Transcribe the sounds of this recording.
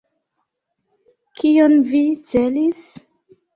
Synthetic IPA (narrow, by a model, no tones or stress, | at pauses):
kʰijonvit͡ʃelis